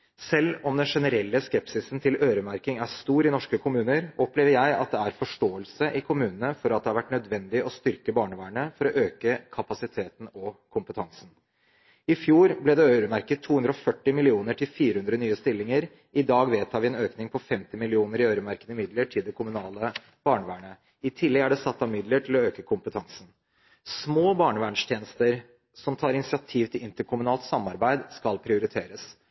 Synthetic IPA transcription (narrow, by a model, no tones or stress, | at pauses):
sɛlːɔmd̪ɛnʂɛnəɾɛlːəskɛpsɪsn̩t̪ʰɪløːɾəmæɾkɪŋæst̪uːɾɪnɔʂkəkʰʊmʉːnəɾʔɔpleːʋəɾjæɪɑ̰t̪̚d̪ɛæɾfɔʂʈoːəlsəʔɪkʰʊmʉːnənəfɔɾɑt̪d̪ɛhɑɾʋæʈnœd̪ʋɛnd̪ɪʔɔst̪ʏɾkəbɑːɳəʋæːəɳəfɔɾɔʔøːkəkʰɑpɑsɪt̪ʰeːt̪n̩ɔkʰʊmpət̪ʰɑŋsn̩ | ɪfjuːɾblɪd̪ɛœʏɾəmæɾkət̪ʰːuːʉnd̪ɾɔɔfœʈːɪmɪlɪuːnəʈʰɪlfiːɾəhʉnd̪ɾənyːəst̪ɪlːɪŋəɾ | ɪd̪ɑːɡʋeːt̪ʰɑːʋɪɛːnøːknɪŋpʰɔfɛmt̪ɪmɪlɪuːnəɾɪœʏɾəmæɾkənəmɪd̪ləʈʰɪld̪ɛkʰʊmʉnɑːlə | b̥ɑːɳəʋæːɳə | ɪt̪ʰɪlːɛɡæɖɛsɑt̪ːɑmɪd̪ləʈʰɪlɔøːkəkʰʊmpət̪ʰɑŋsn̩ | smoːbɑːɳəʋæːɳʂt̪ʰjeːnəst̪əɾ | sɔmt̪ʰɑːɾɪnɪsɪɑt̪ʰiːʋt̪ʰɪlʔɪnt̪əkʰʊmʉnɑːlt̪sɑmːɑɾbæɪd̪skɑlpʰɾɪʊɾɪt̪ʰeːɾəs